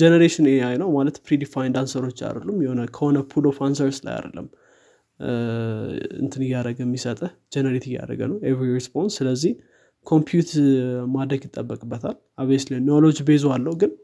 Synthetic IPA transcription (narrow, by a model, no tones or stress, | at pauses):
d͡ʒenəɾeʃɪneajnəwmalət̪pɾid̪ifajnd̪ansəɾo̞t͡ʃːa̰d̪əlːumjɛhonəkʰəho̞nəpʰulofʰans̬əɾsla̰ja̰d̪ə̰lːə̰mː | ɨ̰nt̪ʰɨnɨjːaɾəɡəmːisət̪ʼəd͡ʒenəɾet̪ɨjːa̰ɾə̰ɡə̰nəwevɾiɾispʰo̞nsːɨləzːih | kʰo̞mpʰjut̪mad̪ɾəɡjɪt̪ʼːəbːəkʼɨbːət̪ʰal | aβeslenolod͡ʒbezalːəwɡɨn